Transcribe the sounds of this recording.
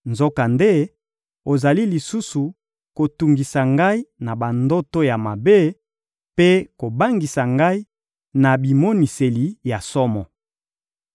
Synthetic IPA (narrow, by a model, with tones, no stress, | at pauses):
nzo˦ka˨nde˦ | o˨za˨li˦li˨su˦su˨ | ko˨tu˨ŋɡi˨sa˨ŋɡa˦i˦na˨ba˨ndo˦to˦ja˨ma˨be˦ | pe˦ko˨ba˦ŋɡi˨sa˨ŋɡa˦i˦ | na˨bi˨mo˦ni˨se˨li˨ja˨sɔ˦mɔ˨